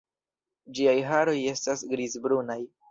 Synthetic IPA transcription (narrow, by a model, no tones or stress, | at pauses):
d͡ʒiajɦaɾo̞je̞stasɡɾizbɾunaj